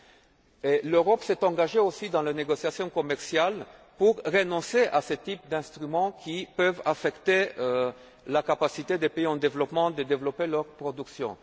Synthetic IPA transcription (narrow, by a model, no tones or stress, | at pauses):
eløʁɔpsɛt̪ɑ̃ɡaʒeosid̪ɑ̃leneɡɔsjasjɔ̃kɔmɛʁsjal | puʁːenɔ̃seʔaset̪ip̚d̪ɛ̃st̪ʁymɑ̃kʰʲipøvafɛkt̪e | lakapasit̪ed̪epeiɑ̃d̪evlɔpmɑ̃d̪əd̪evlɔpelœʁpχɔd̪yksjɔ̰̃